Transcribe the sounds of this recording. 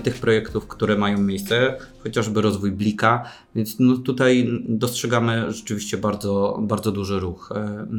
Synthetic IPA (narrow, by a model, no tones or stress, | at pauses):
t̪ɘxpɾɔjɛkt̪ufkt̪uɾɛmajɔ̃w̃mʲjejst̪sɛxɔt͡ɕaʐbɘɾɔzvujblʲika | vʲjɛnt̪snɔt̪ut̪ajd̪ɔstʂɛɡamɘʐɛt͡ʂɘvʲiɕt͡ɕɛbaɾd̪zɔbaɾd̪zɔd̪uʐɘɾux